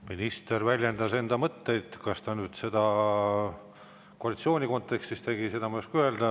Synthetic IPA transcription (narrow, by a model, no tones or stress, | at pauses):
minist̪ervælʲjend̪̥ɑse̞nd̪̥ɑmɤt̪ːe̞jd̪̥kɑst̪ɑnyːd̪̥se̞d̪̥ɑ | koɑlit̪sio̞ːnʲiko̞nt̪ːe̞kst̪ist̪e̞ɡise̞d̪ɑmoskyeld̪̥ɑ